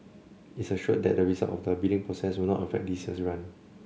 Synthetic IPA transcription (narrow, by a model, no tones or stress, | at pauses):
itsəʃuəd̚dɛ̰t̚dəɹizaltɔ̰fdəbildɪ̃ŋpʰɹosɛswilnɔtəfɛ̰k̚disəsɹãn